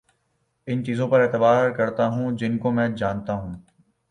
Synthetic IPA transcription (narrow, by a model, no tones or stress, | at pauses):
ɪnt͡ʃiːzõpɐɾeːt̪əbaːɾkɐɾt̪aɦũːd͡ʒɪnkomɛ̃ːd͡ʒaːnt̪aɦũː